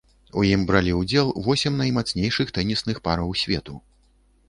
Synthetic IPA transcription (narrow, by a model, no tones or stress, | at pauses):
ujimbɾalʲiwd͡zʲɛlˠvɔsʲɛmnɐjmat̪snʲejʂɨxt̪ɛnʲisnɨxpaɾɐwsʲvʲɛt̪u